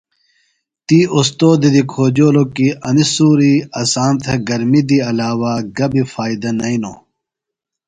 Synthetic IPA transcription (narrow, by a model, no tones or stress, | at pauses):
t̪iːost̪oːd̪id̪ikʰoːd͡ʑoːlokiɐnisuːɾiɐsaːnt̪ʰɐɡɐɾmid̪iɐlaːwaɡɐbifaːid̪ɐnɐino̰ː